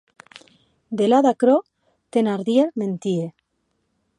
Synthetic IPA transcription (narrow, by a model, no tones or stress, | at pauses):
d̪elaðakɾo | t̪enaɾðieɾment̪ie